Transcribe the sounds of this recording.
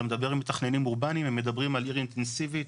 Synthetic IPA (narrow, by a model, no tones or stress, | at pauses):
med̪abe̞ʁimet̪aχne̞nimuʁbanimemːe̞d̪abʁimaliʁint̪ensivi